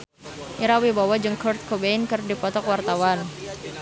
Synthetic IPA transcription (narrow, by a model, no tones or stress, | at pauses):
ʔiɾawibawad͡ʒəŋkɔrt̪̚kobenkɨrdipɔt̪ɔkwart̪awan